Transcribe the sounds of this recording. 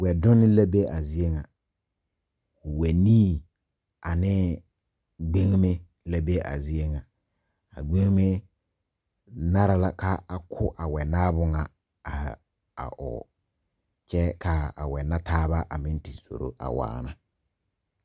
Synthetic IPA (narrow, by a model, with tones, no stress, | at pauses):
wɛ˨dʊ˦nɪ˦la˦be˦ʔa˨zi˦e˦ŋa˨ | ʊ˨wɛ˨niː˦ | a˨nɪ˦ | ɡ͡be˦ŋ˦me˦ | la˦be˦a̰˨zi˦e˦ŋa˨ | a˨ɡ͡be˦ŋ˦me˦ | na˦ɾa˨la˦ka˦a˨kʰʊ˦ʔa˨wɛ˨naː˦bʊ˦ŋa˨ | a˨ | a̰˨ʔʊ̰˨ | t͡ʃɛ˦ka˦a̰˨wɛ˨na˦tʰaː˦βa˦ʔa˨mɪ˦n˦ti˨so̰˨ɾo̰˦ʔa̰˨wa̰ː˨na˨